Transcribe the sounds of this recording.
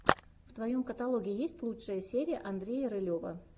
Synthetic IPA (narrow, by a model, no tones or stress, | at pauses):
ft̪vɐjo̞mkət̪ɐlˠo̞ɡʲɪɪjesʲtʲlˠutʂəjəsʲeɾʲɪjə̰ʔɐnd̪ɾʲejəɾɨlʲovə̰